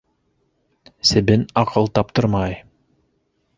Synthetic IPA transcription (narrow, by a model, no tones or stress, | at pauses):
sɘ̆bɘnɑqɤlˠt̪ɑp̚t̪ɤɾmɑj